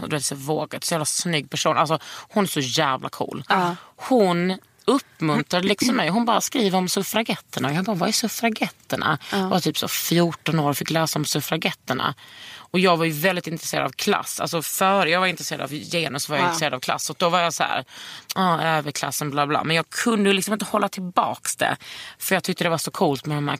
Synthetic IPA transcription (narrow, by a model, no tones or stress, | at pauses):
d̪ɵveːt̪sɛvoːɡat̪sʊjæːvlasnʏɡːpʰæʂuːnalsɔhʊnæʂɔjæːvla̰kʰṵːlhʊn | ɵpːmɵnt̪ɾad̪əlɪksɔmːɛjɔɦʊnbɑːɾaskɾiːvəɾɔmsɵfɾaɡɛt̪ʰːəɳajkʰanbɑːɾvaɛsɵfɾaɡɛt̪ːəɳa̰vat̪ʰyːpsɔ̰fjuʈɔnoːɾfɪkːlɛːsaɔmsɵfɾaɡɛt̪ːəɳa̰ɔjɑːɡvaɾjɵvɛld̪ɪt̪ɪnt̪ɾɛseːɾad̪a̰vkʰla̰sːa̰lsɔfœːɾəjɑːɡvaɾɪnt̪ɾɛseːɾad̪a̰vjeːnəsɔvaɾjaɪɪnɾseːɾd̪avkʰla̰sːɔk̚d̪ɔvaɾjɑsɔhæ̰ːɾɑːøːvəɾkʰla̰sːənblɑːblɑ̰ːmɛnjɑːɡkʰɵnd̪əjlɪksɔmɪnt̪ə̥hɔlːat̪ʰɪlbɑ̰ːksd̪ɛ̰fœɾjɑɡt̪ʰʏk̚t̪əd̪ɛvaʂɔkʰuːlt̪mɛd̪ɔmhæ̰ː